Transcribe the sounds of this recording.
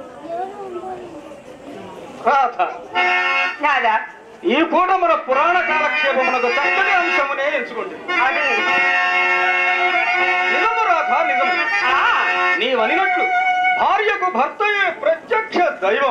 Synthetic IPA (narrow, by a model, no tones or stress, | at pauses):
ɾaːt̪ʰa | ad̪a | iːkuːʈɐmɐnɐpuɾaːɳɐkaːlɐkʂeːbɐmɐnɐɡusɐɐniɐmʃɐmuneːesukoɳɖini | nizɐmɐɾaːd̪ʰʱaːnid̪ɐmɐ | niːʋɐninɐʈːubʱaːɾjɐkubʱɐɾt̪ɐjeːpɾɐt̪jɐkʂɐd̪ɐjʋɐ